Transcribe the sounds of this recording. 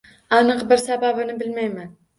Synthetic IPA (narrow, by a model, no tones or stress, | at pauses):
ɑnɨqbɪɾsababɪnɪbɪlmajman